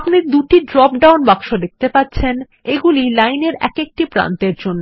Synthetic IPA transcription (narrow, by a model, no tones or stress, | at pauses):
pnid̪uʈiɖɾɔp̚ɖawnbaɡʃod̪ek̚t̪epatːɕʰen | eɡulilajneɾɛ̰kek̚ʈipɾa̰nt̪eɾd͡ʑonːo